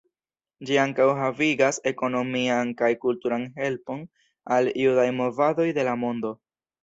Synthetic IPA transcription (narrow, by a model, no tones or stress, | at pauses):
d͡ʒiaŋkawɦaviɡase̞ko̞no̞miankajkultuɾanɦe̞lpo̞n | alijudajmo̞vado̞jde̞lamo̞ndo̞